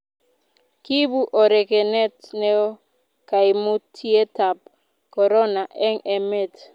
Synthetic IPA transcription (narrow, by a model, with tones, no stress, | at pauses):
ki˦bu˦ʔɔ˨ɾɛ˨kɛ˨nɛ˦tnɛ˦ɔ˦ | ka˨i˨mu˦tʰi˦e˦ta˨p̚ | kɔ˨ɾɔ˦na˨ʔɛ˦ŋɛ˨me˦˨t